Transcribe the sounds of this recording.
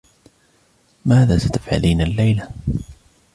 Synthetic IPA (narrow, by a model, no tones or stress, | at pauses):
maːðaːsḁt̪afʕa̰liːnalːajla